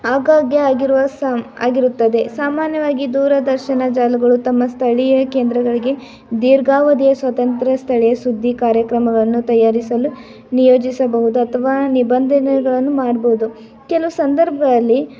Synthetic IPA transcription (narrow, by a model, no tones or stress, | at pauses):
aːɡaːɡjɐaːɡiɾuʋɐsa̰ːɡiɾut̪ːɐd̪e̞saːmaːnjɐʋaːɡid̪uːɾɐd̪ɐɾʃɐnɐd͡ʒaːlɐɡɐɭut̪ɐmːɐst̪ʰɐɭɛjɐke̞ːnd̪ɾɐɡɐɭiɡe̞ | d̪iːɾɡaːʋɐd̪ijɐsʋɐt̪ɐnt̪ɾɐst̪ʰɐɭɛjɐsud̪ʱːikaːɾjɐkɾɐmɐɡɐɭɐnːut̪ɐjːaːɾisɐlu | nijoːd͡ʒisɐbɐɦud̪uɐt̪ʰɐʋaːnibɐnd̪ʱɐnɐɡɐɭɐnːumaːɽboɦud̪u | kɛluusɐnd̪ɐɾbʱɐd̪ɐlːi